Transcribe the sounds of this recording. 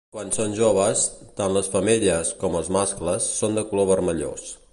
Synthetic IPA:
kwansonʲʒoβ̞əst̪anləsfəmiʎiəskɔməlˠzmaskləsːond̪əkuloβəɾməʎo̰s

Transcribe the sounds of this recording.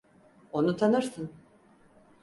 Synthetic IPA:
o̞nut̪ʰanɯɾsɯn

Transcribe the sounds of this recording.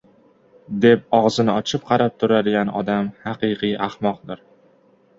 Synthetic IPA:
d̪e̞p̚ɒʁzɪnɪɒt͡ʃʰɪp̚qʰɑɾap̚t̪ʰʊɾad̪ɪɡʲanɒ̰d̪amhɑqɨqɨjʔahmɒq̚d̪ɪɾ

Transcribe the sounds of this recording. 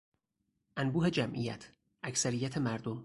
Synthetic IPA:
ʔænbuːɦe̞d͡ʒæmʔijæ̰t̪ʰ | ʔæcʰsæɾijæt̪ʰe̞mæɾd̪om

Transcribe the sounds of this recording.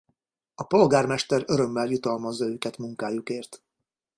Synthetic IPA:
ɒpo̞lɡaːrmɛʃt̪ɛɾø̞ɾø̞mːɛljut̪ɒlmɒzːɒøːkɛt̪muŋkaːjukeːrt̪

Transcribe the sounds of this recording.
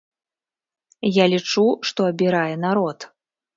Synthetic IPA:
jalʲit͡ʂuʂt̪ɔɐbʲiɾajɛnaɾɔt̪

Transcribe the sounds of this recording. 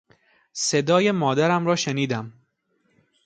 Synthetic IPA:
se̞d̪ɒːje̞mɒːd̪æɾæmɾɒːʃeniːd̪æm

